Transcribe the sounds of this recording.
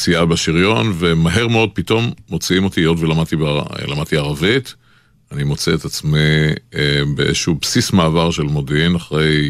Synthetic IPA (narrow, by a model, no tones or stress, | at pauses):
siabeʃiʁjo̞nve̞maɦe̞ʁmeo̞d̪̚pito̞mːo̞t͡siimo̞t̪io̞dvelamad̚t̪ib̰lamad̚t̪iaʁavit̪ | animo̞t͡seet̪at͡smi | beʔeʃubsismaːvaʁʃe̞lmo̞deinaχʁe̞j